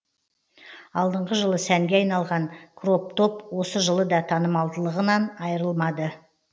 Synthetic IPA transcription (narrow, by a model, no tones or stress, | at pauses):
ɑlˠd̪əɴʁəʒəlˠəsæŋɡʲeɑjnɑlˠʁɑŋkʰro̞p̚t̪ʰo̞pwo̞səʒəlˠəd̪ɑt̪ʰɑnəmɑlˠd̪əlˠəʁənɑnɑjəɾəlˠmɑd̪ə